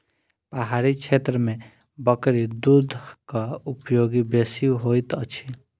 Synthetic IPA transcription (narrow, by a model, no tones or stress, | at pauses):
paɦaɾit͡ʃʰet̪ɾəme | bəkɾid̪ud̪ʱkaupjoɡibesiɦojt̪ət͡ʃʰi